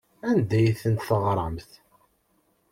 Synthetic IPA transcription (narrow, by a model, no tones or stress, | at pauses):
ænd̪æjθənt̪θəʁɾˤɑmθ